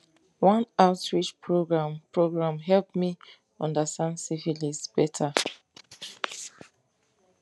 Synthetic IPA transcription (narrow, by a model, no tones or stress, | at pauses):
wʌ̃naʊtɹit͡ʃpʰɹoɡɹãmpɹoɡɹãmɦɛlpmi | ɔ̃ndəstãndsifilisb̥ɛtʰa